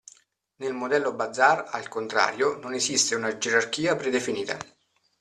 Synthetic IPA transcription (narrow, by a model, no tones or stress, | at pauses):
nelmod̪ɛlːobad̪zːara̰lkont̪ɾa̰ːɾjononesist̪eunad͡ʒeɾark̟iːapɾed̪efiniːt̪a̰